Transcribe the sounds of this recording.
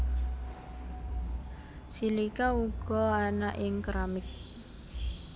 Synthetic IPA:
silikauɡ̥ɔ̤anaʔɪŋkɾamɪk̚

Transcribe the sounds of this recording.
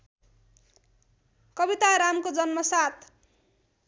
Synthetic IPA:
kʌbit̪aɾamkod͡zʌnmʌsat̪̚ʰ

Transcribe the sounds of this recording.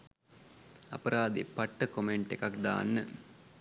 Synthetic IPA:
ɐ̰pəɾaːd̪ḛpaʈːəkomeɳʈekakd̪a̰ːnːə

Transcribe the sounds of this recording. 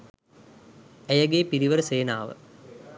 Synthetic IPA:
æjɐɡeːpiɾiʋəɾəseːnaːʋə̰

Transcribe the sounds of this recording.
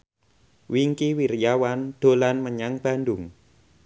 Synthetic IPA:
wiŋkiwiɾjawand̪̥o̤lanməɲaŋb̥a̤ndʊŋ

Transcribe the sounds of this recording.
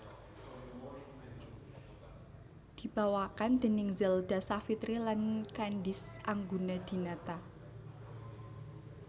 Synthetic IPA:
d̪̥i̤b̥a̤wakand̪̥ə̤nɪŋzɛld̪̥a̤safit̪ɾilankanɖɪsaŋɡunad̪̥i̤nat̪a

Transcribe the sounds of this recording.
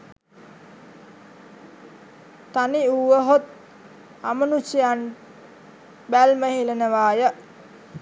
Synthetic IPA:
t̪aniuʋəɦot̪̚ | amənusijan | bælməhilənəʋaːjə

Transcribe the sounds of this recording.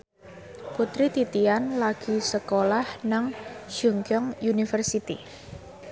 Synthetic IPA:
put̪ɾit̪it̪ianlaɡ̥i̤səkolahnaŋd͡ʒuŋɡɔŋjunifərsit̪ḭ

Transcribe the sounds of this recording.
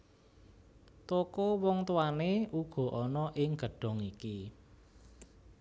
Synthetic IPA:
t̪okowɔŋt̪uwaneʔuɡ̥ɔ̤ʔɔnɔʔɪŋɡ̥ə̤ɖ̥ɔ̤ŋiki

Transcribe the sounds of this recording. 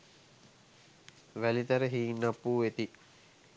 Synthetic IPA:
ʋælit̪əɾəɦiːnːəpːuːet̪i

